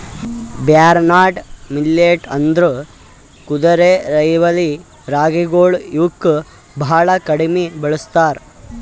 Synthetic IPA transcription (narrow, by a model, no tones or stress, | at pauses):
bjaːɾnaːʈmilːeːʈɐnd̪ɾu | kud̪ɐɾeɾɐjʋɐli | ɾaːɡiɡoːɭjukː | bʱaːɭɐkɐɽimebɐɭust̪aːɾ